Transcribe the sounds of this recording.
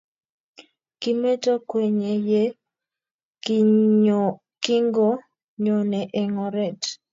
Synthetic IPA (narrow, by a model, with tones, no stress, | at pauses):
kɪ˦me˦to˦kwe˨ɲe˨je˦ | k | kɪ˦ŋɡo˦ | ɲo˨nɛ˨ʔe˨ŋɔ˨ɾɛ˨t